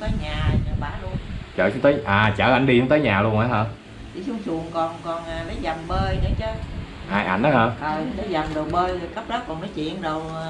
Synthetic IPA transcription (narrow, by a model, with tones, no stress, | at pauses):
t̪əː˨˦jɲaː˨˩ɲə˨˩ɓaː˨˦lu˧ənt͡ɕə̰ː˧˩˧ŋ͡mt̪əː˨˦jʔaː˨˩t͡ɕəː˧˩ʔa˧˩jŋɗi˧ʊ˧˦ŋ͡mt̪əː˨˦jɲaː˨˩lu˧ənʔa˨˦ɦəː˧˩ | t͡ɕi˧˨˦su˧ŋ͡msu˨˩əŋkɔ˨˩nkɔ˨˩nː˨˩mə˨˦jza˨˩mɓəː˧jɗə˧˦t͡ɕə˨˦˥ | ʔaː˧jʔa̰˧˩jn̟ʔə˨˦həː˧˩ʔəː˨˩˨mə˨˦jza˨˩mɗɨ˨˩ək̚ɓəː˧jə˨˩kə˦˥p̚lə˦˥p̚kɔ˨˩nmə˨˦jt͡ɕwḭ˧˨ənɗə˨˩w